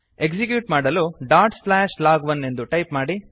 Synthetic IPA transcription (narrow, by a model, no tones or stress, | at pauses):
ekd͡ʒik̬juːʈmaːɽɐluɖaːɾʈslaːʃlaːɡʋɐnːe̞nd̪uʈɐjpmaːɽi